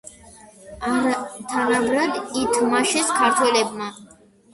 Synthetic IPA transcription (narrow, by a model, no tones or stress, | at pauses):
t̪ʰanaɡɾad̪it̪ʰmaʃɛskʰaɾt̪ʰwɛlɛbma